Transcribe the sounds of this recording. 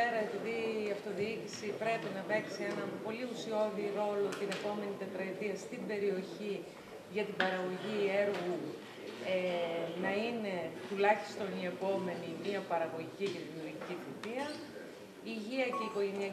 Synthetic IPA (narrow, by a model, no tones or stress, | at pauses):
eɾɐe̞piðiːɐft̪o̞ðiicisipɾe̞pinɐpe̞ksie̞nɐpo̞liusio̞ðiɾo̞lo̞t̪ine̞po̞me̞nit̪et̪ɾɐit̪iɐst̪ibe̞ɾio̞çi | ʝɐt̪ibɐɾɐɣo̞ʝie̞ɾɣu | enɐine̞t̪ulɐçi̥st̪o̞nie̞po̞me̞nimiɐpɐɾɐɣo̞ʝiciʝɐt̪ioɾciciθit̪iɐ | iʝiɐce̞iko̞ʝe̞niɐ